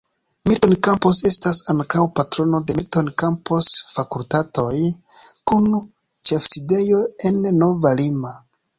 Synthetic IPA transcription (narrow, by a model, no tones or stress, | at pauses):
mitonkampo̞se̞stasaŋkawpatɾo̞no̞de̞mitonkampo̞sfakultato̞jkun | t͡ʃe̞fside̞jo̞e̞nːo̞valima